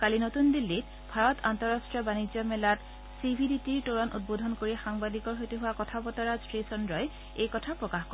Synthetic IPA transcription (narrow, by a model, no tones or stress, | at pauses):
kalinotundilːit | bʱaɹɔtantɔɹastɹiɔbanid͡ʒɔmɛlat | sibʱiditiɹtoɹɔnʔṵt̚bodʱɔnkoɹiɛxaŋbadikɔɹɦojtuɦʊwakɔtʰapɔtɔɹazɹisɔndɹɔj | ejkɔtʰapɹɔkaxkɔ